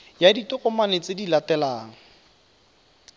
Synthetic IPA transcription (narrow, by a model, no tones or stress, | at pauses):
jaditʊχʼɔmanɪt͡sɪdilatɛlaːŋ̩